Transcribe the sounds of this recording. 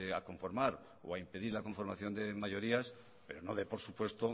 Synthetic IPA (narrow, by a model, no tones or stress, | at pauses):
a̰ko̞ɱfo̞ɾmaɾ | o̰aimpe̞ðiɾlako̞ɱfo̞ɾmaθjo̞nd̪e̞maʝo̞ɾias | pe̞ɾo̞noðepo̞ɾsupwe̞st̪o